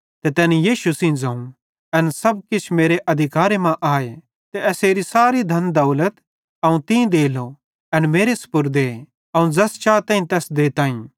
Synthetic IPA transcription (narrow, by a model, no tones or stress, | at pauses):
t̪et̪ɛːnijiːʃusĩːd͡zɐ̃ːũ | ɐnsɐb̚kɪt͡ʃʰmeːɾeʔɐd̪ʱɪkaːɾemãʔaːe | t̪eɛseːɾisaːɾid̪ʱɐnd̪ɐʊlət̪ | ɐũt̪ĩd̪eːlo | ɐnmeːɾesʊ̥pʊɾd̪eː | ɐũd͡zɐst͡ʃaːt̪ãːĩt̪ɛːsd̪eːt̪aːĩ